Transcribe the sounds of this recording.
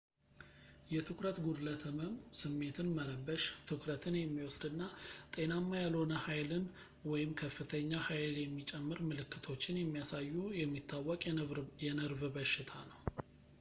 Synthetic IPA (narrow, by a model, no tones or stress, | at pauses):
jɛt̪ʰɨkɾət̪ɡud̪lət̪ʰəməmsɨmːe̞t̪ʰɨnmələbːəʃt̪ʰɨkɾət̪ʰɨnjɛmːiwɔsd̪ɨnːat̪ʼe̞namːajalho̞nəhajlɨn | wɔjɪmkʰəfːɨt̪ʰəɲːahajljɛmːit͡ʃʼɛmːɨɾmɨlɨkːɨt̪ʰo̞t͡ʃːɪnjɛmːijasajːujɛmːit̪ʰːawːɔkʼjɛnəɾvɨbəʃːɪt̪ʰanəw